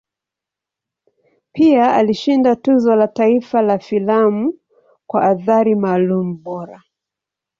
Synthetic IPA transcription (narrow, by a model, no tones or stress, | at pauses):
piaaliʃindatuzɔlataifalafilamu | kwaʔːθaɾimaːlumuɓɔɾa